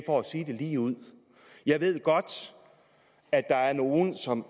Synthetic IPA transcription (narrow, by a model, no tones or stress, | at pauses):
fɒæsiːd̥e̝liːuð̰ˠ | jɑ̈ɪʋe̝ð̞̰ˠɡ̥ɒ̽d̥ | æ̥ɑ̈æɐno̝ːn̩sɒ̽m